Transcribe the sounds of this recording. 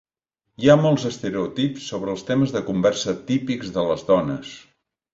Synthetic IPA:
iamɔlˠzəst̪əɾeut̪ipsːoβɾəːlˠst̪eməzðəkumbɛrsət̪ipikzðələzðɔnəs

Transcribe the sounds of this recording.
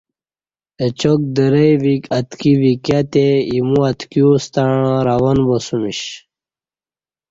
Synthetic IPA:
et͡ɕok̚d̪əɾəjʋikat̪kiʋikjat̪eimuat̪kjust̪aɳãɾawɐnbosumiɕ

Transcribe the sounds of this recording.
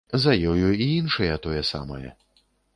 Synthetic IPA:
zɐjɔjuiinʂɐjɐt̪ɔjɛsa̰mɐ̰jɛ̰

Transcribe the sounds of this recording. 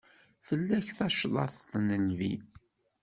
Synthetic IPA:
fəlːæçθɑʃlˤɑ̰θθnəlvi

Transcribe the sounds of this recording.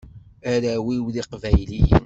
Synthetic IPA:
æɾæwiwðiqvæjlij

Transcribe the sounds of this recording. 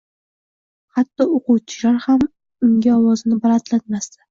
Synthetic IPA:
hat̪ːɒoqʊwt͡ʃʰɪlaɾham | ʊŋɡʲaɒwɒzɪnɪbaɾat̪lat̪mast̪ḁ

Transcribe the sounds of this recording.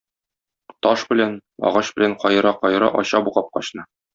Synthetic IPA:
t̪ɒʃbɘ̆lænɒ̰ʁɑɕb̥ɘ̆læɴqɒjɤɾɑqɒjɾɑ̰ʔɒɕɑbuʁɑp̚qɒɕnɤ

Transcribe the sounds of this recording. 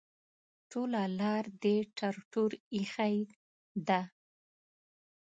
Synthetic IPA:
ʈolalɑɾd̪eʈʰaɾʈuɾixaj | d̪a

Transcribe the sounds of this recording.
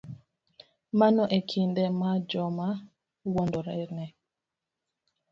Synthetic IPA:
manɔʔekʰindɛmad͡ʒɔma | wondɔɾɛnɛ

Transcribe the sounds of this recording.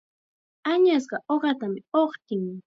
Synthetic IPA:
aɲas̬ɢɑʔoɢɑt̪amɪoχt̪ɪŋ

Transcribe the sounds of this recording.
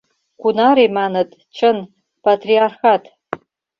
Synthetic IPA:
ɡ̥ʷunaɾimanɨtʼt͡ʃʰɨn | pʰatʰʼriarχatʰʼ

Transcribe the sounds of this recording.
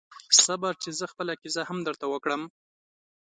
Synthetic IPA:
sabɑɾt͡ʃezəxpəlakizahamd̪əɾt̪awəkɽəm

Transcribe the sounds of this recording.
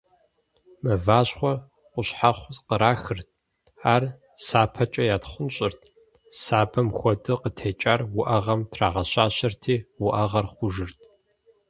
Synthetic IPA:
mɐvaːɕχʷɔ | qʷʊɕħaχʷqəɾaːxɨrt̚ʰʼ | aːr | saːpʰɐt͡ʃʼɐjaːtχʷʊnɕʼɪrtʰʼ | saːbʰɐmxʷɔdʼɨqətʰeːt͡ʃʼaːrwʊʔɐʁɐmtʰraːʁɐɕaːɕɐrtʰiːwʊʔɐʁɐrχʷʊʒɨrtʰʼ

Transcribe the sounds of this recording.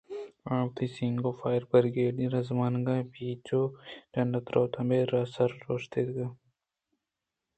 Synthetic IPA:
ãːpt̪ʰisiŋɡofaːjɾbɐɾɡeːɖĩɾɐzmaːnɡabiːt͡ʃoʈɐnɖɐt̪ɾoːt̪ʰɐmbeːɾɐsɐɾːoːʃt̪ed̪ɡɐ

